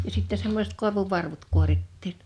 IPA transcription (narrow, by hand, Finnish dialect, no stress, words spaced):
jɑ sitːe semːosʲĕt koˑeʋuʋːɑrʋut kuoritːiːn